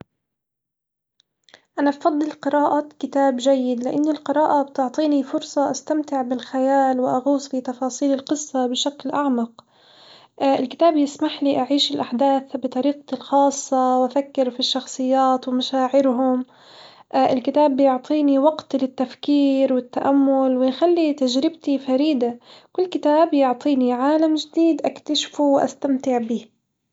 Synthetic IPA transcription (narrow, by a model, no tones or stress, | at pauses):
ʔanabfɑd̪ˤːɨlqɨɾaːʔakɪt̪aːbʒajːɪd̪lɪʔanːilqɨɾaːʔab̚t̪ʊʕt̪ˤiːnifʊɾsˤɑʔast̪amt̪ɪʕbɪlxajaːlwɪʔaɣuːsˤfit̪ɑfɑːsˤiːlɪlqɨsˤːɑbɪʃaklʔaʕmɑq | ʔɪlkɪ̥t̪aːbjɪsmaħliʔaʕiːʃɪlʔaħd̪aːθbɨt̪ˤɑɾiːq̚t̪ɪlxɑːsˤːɑwʔafakːɪɾfiʃːɑxsˤɨjːaːt̪wɪmaʃaːʕɪɾɦʊm | ʔʔɪlkɪt̪aːbjʊʕt̪ˤʰiːniwaɡt̪lɪt̪ːafkiːɾwɪt̪ːaʔamːʊlwɪjxalːit̪aʒɾɪbt̪ifaɾiːd̪akʊlːkɪt̪aːbjʊʕt̪ˤiːniʕaːlamʒɪd̪iːd̪ʔakt̪aʃfuwʔa̰st̪amt̪ɪʕbiː